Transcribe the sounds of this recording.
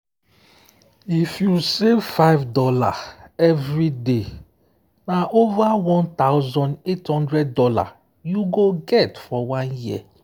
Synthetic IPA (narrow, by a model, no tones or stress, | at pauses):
ifjusevfaɪvdɔla̰ɛvɹide | naʔovawɔ̃nt̪aʊzɔ̃ndethɔ̃ndɹɛd̚dɔla̰ | juɡoɡɛtfɔwãnji